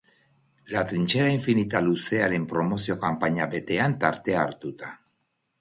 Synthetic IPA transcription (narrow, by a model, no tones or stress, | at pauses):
lat̪ɾint͡ʃeɾaiɱfinit̪alusealempɾomosjokampaɲabet̪eant̪aɾt̪eaɾt̪ut̪a